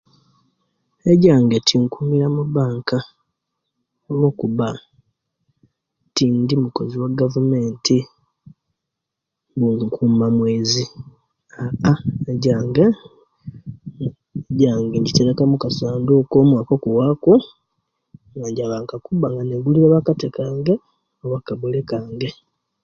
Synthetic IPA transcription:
eɟaːŋɡetʰiŋkumiɾamuβaːŋka | olwo̞ːkuβa | tindimuko̞ziwaɡavume̞ːntʰi | buŋkʰuːmamweːzi | aaeɟaːŋɡa | ɟaːŋɡeɲɟiteɾekamukasaːndoːkoːmwaːko̞kuwako | ŋɡaɲɟaβaːŋkakuβaŋɡaneɡuliɾeβakatekaːŋɡa | owakaβulekaːŋɡe

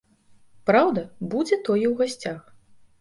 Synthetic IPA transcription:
pɾawd̪ɐbud͡zʲɛt̪ɔjɛwɣasʲt͡sʲax

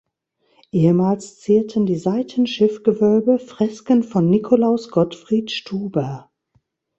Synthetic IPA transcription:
ʔeːəmaːlst͡siːɐtʰəndiːzaɪtʰənʃɪfɡ̥əvœlbəfʁ̥ɛskənfɔnːɪkʰolaʊsɡ̥ɔtfʁ̥iːtʃtʰuːbɐ

